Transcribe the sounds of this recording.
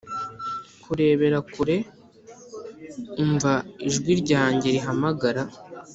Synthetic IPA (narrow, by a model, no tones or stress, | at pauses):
kuɾe̞ːβe̞ɾakuɾe̞ | uɱvaiʒɡwiɾɟaːɲɟe̞ɾiɦamaɡaɾa